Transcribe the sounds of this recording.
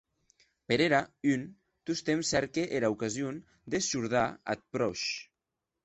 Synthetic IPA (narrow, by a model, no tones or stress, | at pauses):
peɾeɾayn | t̪ust̪emsɛɾkeʔeɾaukazjon | d̪eʃuɾðaa̰t̪̚pɾɔʃ